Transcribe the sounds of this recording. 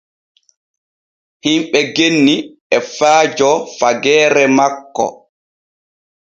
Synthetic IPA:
himɓɛɡenːi | ɛfaːd͡ʒɔfaɡɛːɾɛmakːɔ̰

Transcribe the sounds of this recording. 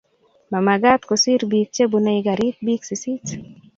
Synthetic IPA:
mamaɡat̪kosiɾbik̚t͡ʃebunaiɡaɾit̪̚biksisit

